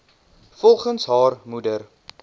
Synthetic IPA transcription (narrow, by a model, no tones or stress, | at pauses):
fɔlˠχənsɦɑːrmudər